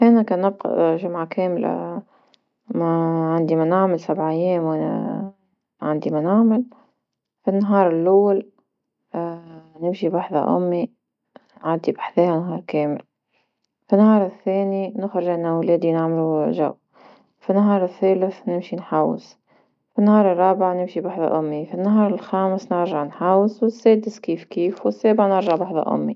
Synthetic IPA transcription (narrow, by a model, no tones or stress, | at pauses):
ʔænækæːnːɪb̚qɑ̰ʒʊmʕakɛːmla̰ | mæʕand̪imænaʕmɪlsabʕjːɛːmwæ̰ | ʕand̪imænaʕmɪl | finːɦɑːɾˤɪlʔawːal | nɪmʃiwaħða̰ʔʊ̰mːi | ʕad̪ibḁħθeːhænɦɑːɾˤkɛːmɪ̰l | finːhɑːɾˤɪθːeːninɪxɾɪʒʔɪnːawleːd̪inaʕmaluʒa̰w | finːaɦɑːɾˤɪθːeːlɪθnɪmʃinħawːɪ̰s | finːhɑːɾˤɨrˤːɑːbɪʕnɪmʃibaħðˤa̰ʔʊmːifinːaɦɑːɾˤɪlxaːmɪsnɪɾʒaʕnħaːwːɪswɪsːeːd̪ɪskiːfkiːfwɪsːeːbɪʕnɪɾʒaʕbaħðˤɑ̰ʔʊ̰mːḭ